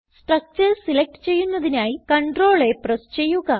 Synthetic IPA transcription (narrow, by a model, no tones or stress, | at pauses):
sʈrɐk̚t͡ɕɐrsilek̚ʈɨ̥t͡ɕe̞jːunːɐðinaːjikɐɳɖro̞ːɭe̞prest͡ɕe̞jːuɣɐ